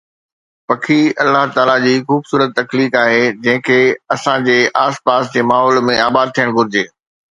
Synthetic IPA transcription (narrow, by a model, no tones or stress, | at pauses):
pɐkʰiɐlːaɦt̪aːlad͡ʑiːxuːbsuːɾət̪ːɐkliːkaːɦed͡ʑɐ̃ɦɪ̃kʰeːɐsãd͡ʑeːʔaːspaːsd͡ʑeːmaːɦɔːlmẽaːbaːd̪̚t̪ʰijəɽ̃ɡʊɾɪd͡ʑeː